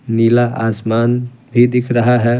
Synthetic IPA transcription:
niːlaaːsmaːnbʱid̪ɪkʰɾɐɦaɦɛ

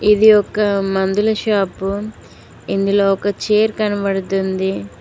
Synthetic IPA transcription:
id̪iɔkːɐmɐnd̪ulɐʃaːpu | ind̪uloːɔkɐt͡ʃeːɾkɐnɐpɐɽut̪und̪i

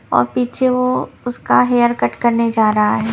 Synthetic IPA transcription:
ɔ̰ːɾpiːt͡ʃʰeʋoʊskaɦeːəɾkɐʈkɐɾned͡ʒaːɾɐɦaɦɛː

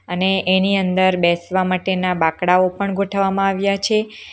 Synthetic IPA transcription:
əneʔeniənd̪əɾbɛsʋamaʈenabakɽaopəɳɡʱoʈʰʋamãaʋjat͡ʃʰe

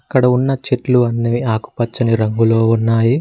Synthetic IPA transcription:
ɐkːɐɽɐunːɐt͡ʃeʈluɐnːiaːku̥pɐt͡ʃːɐniɾɐŋɡulo̞ːunːaːji

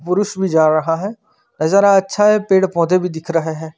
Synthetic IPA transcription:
pʊɾʊʃbʱid͡ʒaːɾɐɦaɦɛː | nɐzəːɾaɐtːʃʰaɦɛpeːɽpɔ̃ːt̪ebʱid̪ɪkʰɾəɦeɦɛː

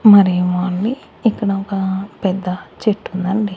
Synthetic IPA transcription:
mɐɾiʋaːɳːiː | kːɐɽɐkɐpɛd̪ːɐt͡ʃeʈːund̪ɐɳɖi

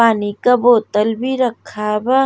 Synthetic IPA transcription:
aːnikaboːt̪əlbʱiɾəkʰaba

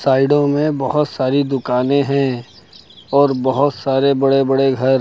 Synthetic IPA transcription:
saːɪɖõmẽbɐɦʊt̪saːɾid̪ʊkaːnẽɦɛ̃ | ɔːɾbɐɦʊt̪saːɾebɐɽebɐɽeɡʱɐɾ

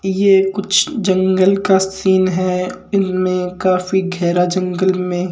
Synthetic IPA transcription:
jeːkʊt͡ʃʰd͡ʒɐ̃ŋɡəlkasiːnɦɛː | ɪnmẽkaːfiɡʱɛːɾad͡ʒɐ̃ŋɡəlmẽ

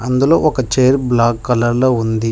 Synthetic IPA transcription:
ɐnd̪ulo̞ːʔɔkɐt͡ʃejɾblaːkːɐlɐɾloːund̪i

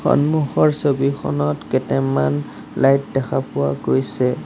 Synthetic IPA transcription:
xɔ̰nmuxɔɹsobixʰɔ̰nɔtkɛtɛman | lajt̚dɛkʰapʊwa̰ɡojsɛ

